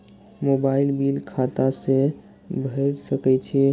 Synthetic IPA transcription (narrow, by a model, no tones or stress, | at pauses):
mobailbilkʰat̪ase | bʱəɾsəkɛt͡ʃʰɛ